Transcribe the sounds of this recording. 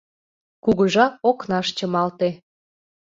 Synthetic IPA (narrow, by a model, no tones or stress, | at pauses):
kuɣə̆ʒɑoknɑʃt͡ɕəmɑlt̪e